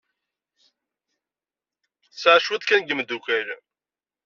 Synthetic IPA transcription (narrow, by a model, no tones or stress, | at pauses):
sʕʃwəðkænɡəmd̪ukæl